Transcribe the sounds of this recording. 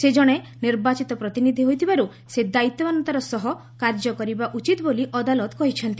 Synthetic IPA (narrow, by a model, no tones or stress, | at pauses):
sed͡ʒɔɽ̃eniɾbat͡ʃit̪ɔpɾɔt̪inid̪ʱiɦojt̪ʰibaɾu | sed̪ait̪ːɔmanɔnt̪aɾɔsɔɦɔ | kaɾd͡ʒɔkɔɾibaʔut͡ʃit̪boliʔɔd̪alɔt̪kɔɦit͡ʃʰɔnt̪i